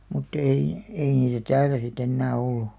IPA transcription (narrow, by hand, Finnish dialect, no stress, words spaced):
mutː ei ei niːtæ tæːlæ sit enːæː olːu